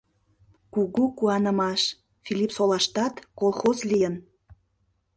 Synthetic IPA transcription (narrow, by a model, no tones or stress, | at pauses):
kuɣukuɑnə̆mɑʃ | filʲipsolɑʃt̪ɑt̪kolˠxozlijən